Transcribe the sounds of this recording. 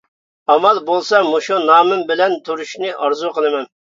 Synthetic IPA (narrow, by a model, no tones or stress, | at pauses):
ɑmɑlˠbolˠsɑmuʃunɑːmɨmbɪlɛnt̪ʰuɾuʃnɨʔɑɾzuqʰəlˠɨmɛn